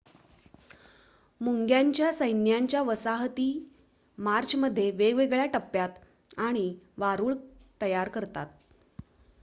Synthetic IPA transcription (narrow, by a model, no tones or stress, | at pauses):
muŋɡjaɲt͡ɕjasəjnjaɲt͡ɕjaʋəsaɦt̪iː | maɾt͡ɕʰməd̪ʱːjeʋeɡʋeɡɭjaʈəpːjat̪ | aɽ̃iʋaɾuːɭt̪əjaɾkəɾt̪at̪̚